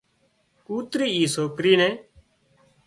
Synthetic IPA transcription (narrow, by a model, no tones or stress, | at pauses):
kuːt̪ɾiːiːsoːkɾiːnẽː